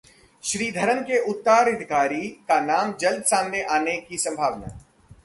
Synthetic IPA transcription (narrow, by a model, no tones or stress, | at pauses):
ʃɾiːd̪ʱɐɾənkeʔʊt̪ːaːɾɪd̪ʱkaːɾikanaːmd͡ʒɐld̪sãːnd̪eʔaːnekisɐ̃mbʱaːʋna̰ː